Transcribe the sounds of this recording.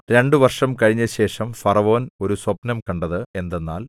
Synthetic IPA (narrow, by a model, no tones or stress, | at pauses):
ɾe̞ɳɖɨʋɐrʂɐmkɐɻiɲːɐɕe̞ːʂɐmfɐrɐʋo̞ːno̞ɾuswɐpnɐmkɐɳɖɐðɨe̞nd̪enːa̰ːl